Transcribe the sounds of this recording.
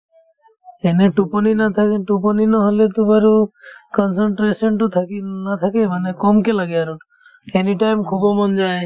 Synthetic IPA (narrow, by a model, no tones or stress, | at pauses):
eneʈupɔninat̪ʰaʈup̬ɔninɔɦolet̪ubaɾukɔnsɔɳʈɾesɔnʈut̪ʰakinat̪ʰakebanekɔmkelaɡeaɾu | eniʈajmkʰubɔmɔnd͡ʒaj